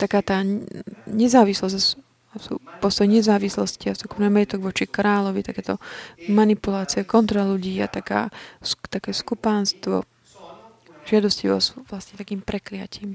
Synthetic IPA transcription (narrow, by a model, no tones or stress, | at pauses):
t̪akaːt̪aː | ɲɛzaːʋislɔzs | sṵːpɔst̪ɔjɛɲɛzaːʋislɔsciasɔkunamɛɛt̪ɔɡʋɔt͡ʃikɾaːlɔʋit̪akɛːt̪ɔmanipulaːt͡siɛkɔnt̪ɾaluɟiːa̰t̪aka̰ːst̪akɛːskupaːnst̪ʋɔ̰ | ʒ̥ɪad̪ɔsciʋɔ̰suːʋlasɲɛt̪akiːmpɾɛklɪa̰ciːm